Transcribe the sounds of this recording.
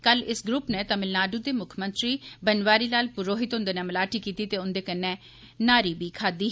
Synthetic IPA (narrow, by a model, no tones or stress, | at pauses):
kəlɪsɡɾʊpneːt̪əmɪlnaːɖuːd̪eːmʊkʰmənt̪ɾiːbənʋaːɾiːlaːlpʊɾoːɦɪt̪ʊ̃nd̪eːnɛːməlaːʈiːkiːt̪iːt̪eːʊnd̪eːkənːɛ̃ː | naːɾiːbiːkʰaːd̪iː